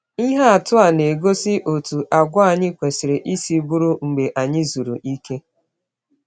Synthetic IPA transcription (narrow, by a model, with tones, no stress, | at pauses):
i˦ɦa˦a˨tʊ˦a˨ne˨ɡo˦sɪ˦ʔo˨tu˨ʔa˨ɡʷʊ˦a˨ɲɪ˦kʷe˨sɪ˨ɾe˨ʔi˦si˦bu˦ɾu˦ŋ͡m̩˨ɡ͡be˨ʔa˨ɲɪ˦zu˨ɾṵ˨ʔi˦ke˦